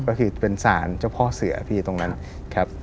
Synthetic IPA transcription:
kɔː˥˩kʰɯː˧pe˧nsaː˩˦nt͡ɕʰa˥˩wpʰɔ˦˥sɯ˩˦ɐpʰiː˥˩t̪o˧ŋna˦˥n | kʰa˦˥p̚

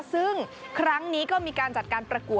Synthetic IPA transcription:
sɯ˥˩ŋkʰɾa˦˥ŋniː˦˥kɔː˥˩miː˧kaː˧nt͡ɕa˨˩t̪̚kaː˧npɾa˧ku˨˩ə

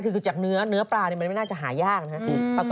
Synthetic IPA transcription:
kʰɯː˧kʰːɯː˧˩t͡ɕa˨˩k̚nɯ˦˥ɐnɯ˦˥ɐpɾaː˧ni˧˩m˧nma˥˩naː˥˩t͡ɕa˨˩ɦaː˩˦jaː˥˩k̚na˧ɦa˦˥˧pʰa˧˩k

